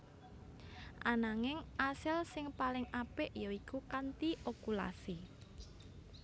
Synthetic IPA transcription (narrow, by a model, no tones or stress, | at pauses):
ʔanaŋɪŋʔasɪlsɪŋpalɪŋapɪʔjɔikukant̪iʔokula̰si